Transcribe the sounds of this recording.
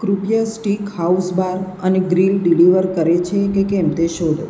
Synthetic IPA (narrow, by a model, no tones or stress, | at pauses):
kɾupjəsʈikhausbaɾ | əneɡɾilɖiliʋəɾkəɾet͡ʃʰekekɛmt̪eʃod̪ʱo